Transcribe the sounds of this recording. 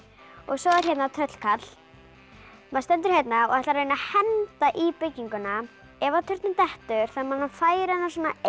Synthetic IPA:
ɔɣsɔɛɾhçɛt̪nat̪ʰœt̪l̥kʰat̪l̥ | maðst̪ɛnt̪ʏɾ̥çejt̪naɔθɛht̪aɾeːnahɛnt̪aʔipɪcːiŋkʏna | ɛvat̪ʰʏɾ̥t̪nʏmt̪ɛht̪ʏɾ̥θamanːafaːjɪɾɛnas̬wɔːna

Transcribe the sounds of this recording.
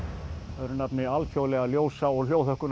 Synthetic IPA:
ɛðɾʏnapnɪalfjowlɛɣaljoːwsaɔɣl̥jowθɔhkʏn

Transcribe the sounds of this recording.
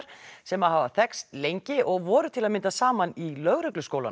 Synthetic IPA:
ɾ̥sɛmaðhavaθɛkst̪lejɲcɪʔɔɣvɔːɾʏt̪ʰɪlaðmɪnt̪asaːmanilœɣɾʏklʏskoːwla̰n

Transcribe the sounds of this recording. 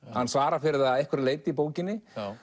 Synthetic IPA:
hanːsvaːɾafɪɾɪɾðaðɛjhkʰvɛɾleːjt̪ɪip̬oːwcɪnːɪ

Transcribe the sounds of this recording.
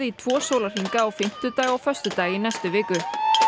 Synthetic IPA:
ɪit̪ʰvɔːsowlar̥iŋkaɔwfɪm̥t̪ʏt̪aːjɣawfœst̪ʏt̪aːjinɛjst̪ʏvɪːkʏ

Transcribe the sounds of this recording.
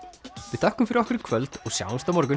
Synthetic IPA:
vɪðθʰœhkːʏmfɪɾɪɾɔhkʏɾɪkʰvœlt̪ɔɣsja̰ːwnst̪amɔɾkʏn

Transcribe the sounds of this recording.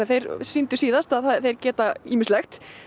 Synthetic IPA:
aθejɾsint̪ʏsiːðast̪aðθaθejɾcɛːt̪aiːmɪst̪lɛxt̪

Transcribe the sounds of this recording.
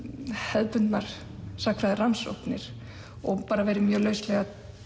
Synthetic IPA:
hɛðpʏnt̪naɾ̥ | sakʰɾaðɪranso̰wpnɪɾ̥ | ɔɣpaːɾavɛːjɾɪmjœːlœːɥslɛɣa

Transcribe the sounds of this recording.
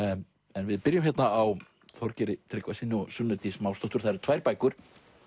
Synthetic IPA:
ɛnvɪðpɪɾjʏmçjɛt̪naːw | θɔɾcɪɾɪt̪ʰɾɪkvasinɔsʏnʏt̪ismawst̪ɔt̪ʏɾ̥θaɾ̥t̪ʰvaːjɾpaːjkʏɾ̥

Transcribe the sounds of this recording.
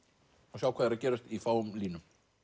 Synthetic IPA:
ɔsaːwkʰvɛːðaɾacɛːɾast̪ifawʏmliːnʏm

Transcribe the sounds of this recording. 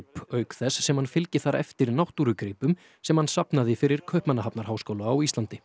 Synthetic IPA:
pœːɥkθɛsːɛmhanfɪlcɪθaɾɛ̰ft̪ɪɾnawht̪uɾʏkɾiːpʏm | sɛmhansapnaðɪfɪɾɪɾ̥kʰœhpmanːaɦapnaɾ̥haːwskowlaːwist̪lant̪ɪ

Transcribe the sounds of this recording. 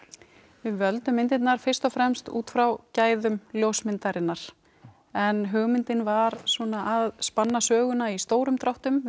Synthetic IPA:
vɪðvœlt̪ʏmejnt̪ɪt̪naɾ̥fɪr̥st̪ɔfɾɛmst̪ṵːt̪fɾawcaːjðʏmljowsmɪnt̪aɾɪnːaɾ̥ | ɛnɦœɣmɪnt̪ɪnvaɾsɔːnaʔaðspanːasœːɣʏnaist̪oːwɾʏmt̪ɾawht̪ʏm

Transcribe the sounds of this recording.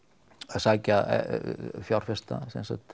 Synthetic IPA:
asaːca̰ | fjawr̥fɛst̪a̰sɛ̰nsat̪

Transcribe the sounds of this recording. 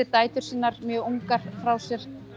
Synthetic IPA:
ɪt̪aːjt̪ʏɾ̥siːnːaɾmjœuŋkaɾ̥fɾawsjɛɾ̥

